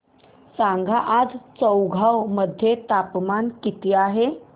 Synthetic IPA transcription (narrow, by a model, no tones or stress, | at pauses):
sãŋɡʱaʔad͡zt͡səwɡʱawməd̪ʱːjet̪apmankit̪iaɦe